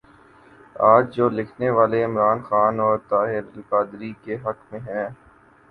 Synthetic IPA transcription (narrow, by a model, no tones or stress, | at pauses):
aːd͡ʒd͡ʒoːlɪkʰneʋaːleɪmɾaːnxaːnɔːɾt̪aːɦɪɾlkaːd̪ɾikeɦɐkmẽɦɛ̃ː